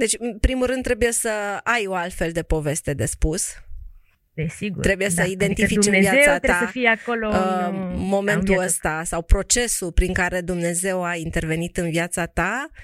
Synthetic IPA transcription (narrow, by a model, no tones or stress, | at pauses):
d̪e̞t͡ʃʲɨnpɾimulɾɨnːɾe̞buje̞səajo̞alt̪fe̞ld̪e̞po̞ve̞st̪e̞d̪e̞spus | esiɡut̪ɾe̞buje̞səid̪e̞nt̪fit͡ʃɨnviaesat̪asəfijeakolo | mo̞mẽ̞nt̪uəst̪asawpɾo̞t͡ʃe̞supɾiŋkaɾe̞d̪umne̞ze̞waint̪e̞rve̞nit̪ɨnviat̪satt̪a